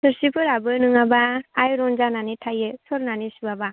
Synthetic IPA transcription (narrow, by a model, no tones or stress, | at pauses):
sɯɾsipʰɯɾabɯnɯŋabaːjɾɔnzananitʰajɯsɔɾnanisubaba